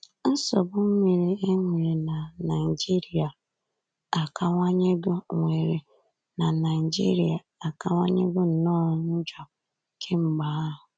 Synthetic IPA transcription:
n̩˦sɔ˨bʊ˦m̩˦mi˨ɾi˨e˦ŋʷe˨e˨na˨na˨i˨d͡ʒi˦ɾi˨a˨ | a˨ka˦ŋʷa˦ɲe˦ɡʊ˦ŋʷe˨ɾe˨ | na˨na˨ɪ˨d͡ʒḭ˦ɾi˨a˨ | a˨ka˦ŋʷa̰˦ɲe˦ɡʊ˦n̩˨nɔː˦n̩˦d͡ʒɔ˨ | kʰe˦ŋ͡m̩˦ɡ͡ba˨˦ɦʊ˨

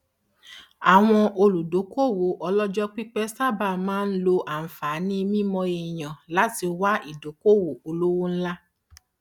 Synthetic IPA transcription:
a˨w̃ɔ̃˧ʔo˧lu˨do˨˦ko˦˨wo˨˦ʔɔ˧lɔ˦d͡ʒɔ˦k͡pi˦k͡pɛ˦sa˦ba˦˨mãː˦n̩˦lo˧ʔa˨n̩˨fa˨˦nĩ˦mĩ˦mɔ̃˧e˧˨j̃ã˨la˨˦ti˧o˧wa˦i˦˨do˨˦ko˦˨wo˨o˧lo˦wo˦n̩˦la˦

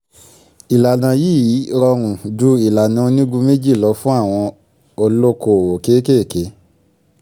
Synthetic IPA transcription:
i˨la˨nã˨ji˦˨ji˨˦ɾɔ˧ɾ̃ũ˨du˦i˨la˨nã˨˦o˧nĩ˦ɡũ˧˦me˦d͡ʒi˦˨lɔ˨˧˦fũ˦a˦˨w̃ɔ̃˧ | o˧lo˦ko˧˨wo˨ke˨˦ke˦˨ke˨˦

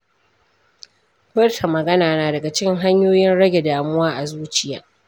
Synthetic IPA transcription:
bɐ˦rtʰa˨mɐ˨ɡɐ˦naː˨naː˨dɐ˨ɡa˨t͡ʃɪ˦ŋɦa˦ɲjoː˦jɪ˦nɽɐ˦ɡʲe˨daː˨mʊ˦waː˦ʔa˨zuː˦t͡ʃɪ˦˨jaː˨

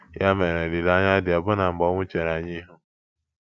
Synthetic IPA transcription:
ja˦me˨ɾe˨di˨la˦ɲa˦dɪ˨ɔ˨bʊ˦na˨m̩˨bɔ˦ŋʷʊ˦t͡ʃe˨ɾa˨ɲi˦ɦʊ˦

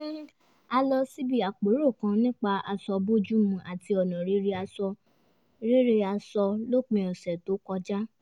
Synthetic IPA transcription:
a˧lɔ˧si˦bi˦˨a˨k͡po˨˦ɾo˦˨kã˧nĩ˦k͡pa˧a˧sɔ˧bo˦d͡ʒu˦mũ˧ʔa˨ti˧ɔ˨nã˨ɾe˦ɾe˧a˧sɔ˧ | ɾe˦ɾe˧a˧sɔ˧lo˦k͡pɛ̃˧ɔ˨sɛ˨to˨˦kɔ˧d͡ʒa˦

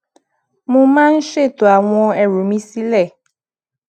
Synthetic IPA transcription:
mũ˦mã˦n̩˦ʃe˦˨to˨a˨w̃ɔ̃˧ɛ˨ɾu˨mĩ˦si˦lɛ˦˨

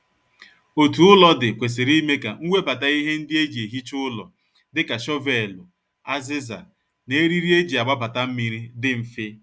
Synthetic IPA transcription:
o˨tu˨ʊ˦lɔ˦dɪ˨kʷe˨s̬ɪ˨ɾi˦me˦ka̰˨ŋ̩˦wʷe˦pa˨ta˦i˦ɦe˦n̩˦dɪ˦e˦d͡ʒi˨e˨ɦi˦t͡ʃʊ˦ʊ˦lɔ̰˨ | dɪ˦ka˨ʃɔ˦ve˨lʊ˨ | a˦zɪ˦za̰˨ | ne˦ɾi˦ɾi˦e˦d͡ʒi˨a˨ɡ͡ba˦pa˨ta˦m̩˦mi˨ɾi˦dɪ˦m̩˨fɪ˦

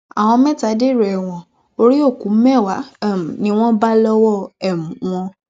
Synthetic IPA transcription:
a̰˨w̃ɔ̃˧mɛ̃˦ta˨˦de˦˨ɾɛ˨ɛ˨w̃ɔ̃˨ | o˧ɾi˦o˦˨ku˨˦mɛ˦˨wa˨˦˨m˨nĩ˧w̃ɔ̃˦ba˦lɔ˦wɔ˦˨ɛ˦˨mũ˨˦w̃ɔ̃˧

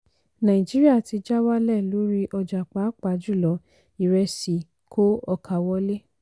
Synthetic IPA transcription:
nã˨ĩ˨d͡ʒi˨˦ɾi˦a˦˨ti˧d͡ʒa˦wa˦lɛ˦˨lo˨˦ɾi˧ʔɔ˧d͡ʒa˨k͡pa˨˦k͡pa˨˦d͡ʒu˦˨lɔ˨˦ | i˨ɾɛ˧si˨ | kʰo˦ɔ˧kʰa˨wɔ˦le˦

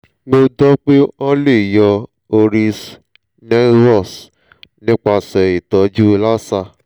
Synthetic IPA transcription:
ɡ͡bo˧dɔ˦k͡pe˦ɔ̃˦le˦˨jɔ˧ | o˧ɾi˧s | nɛ˦ɾɔ˦˨s | nĩ˦k͡pa˧sɛ˨i˨tɔ˨˧d͡ʒu˦˧la˦sa˧˨

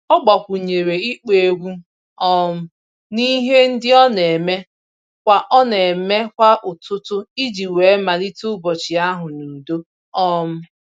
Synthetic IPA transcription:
ɔ˦ɡ͡ba˨kʷʊ˨ɲe˨ɾe˨i˦k͡pe˨˦ɡʷu˦ | ɔ˦m̩˦ | ni˦ɦe˦n̩˦dɪ˦ɔ˦ne˨me˦ | kʷa˦ʔɔ˦ne˨me˦kʷa˦ʔʊ˨tʊ˦tʊ˦i˦d͡ʒi˨we˨˦ma˨li˦tʊ˦bɔ˨t͡ʃɪ˨a˦ɦʊ˨nu˨do˦ | ɔ˦m̩˦

